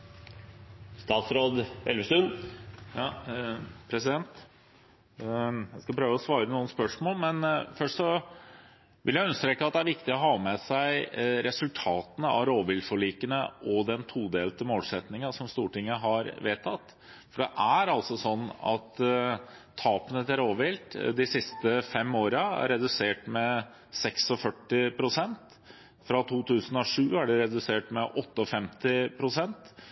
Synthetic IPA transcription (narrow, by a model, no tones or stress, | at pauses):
st̪ɑːt̪sɾoːd̪ɛlʋəst̪ʉn | pʰɾɛsɪd̪ɛnt̪ | jæɪskɑpʰɾøːʋəɔsʋɑːɾənuːənspœʂmoːlmɛnfœʂʈɔ | ʋʔɪljæɪʉnəst̪ɾeːkːəɑt̪̚d̪ɛæɾʋɪkt̪ɪɔɦɑːmɛsæɪɾɛsʉlt̪ʰɑːt̪ənəɑ̰ɾoːʋɪlfɔɭiːkənəʔɔd̪ɛnt̪ʰuːd̪eːlt̪əmoːlsɛt̪nɪŋɑsɔmst̪uːʈɪŋːəɦɑɾʋeːt̪ʰɑt̪ː | fɔɖɛʔæɾɑlsɔsɔnːɑ̰t̪ʰː | ɑːpənət̪æɾoːʋɪlt̪d̪ɪsɪst̪əfɛmːoːɾəæ̰ɾːɛd̪ʉseːʈmɛ | sɛksɔfœʈːɪpʰɾʊsɛnt̪ | fɾɑt̪ʰuːt̪ʰʉːsənɔʂʉːæɖɛɾɛd̪ʉseːʈmɛʔɔt̪ːəɔfɛmt̪ɪpʰɾʊsɛnt̪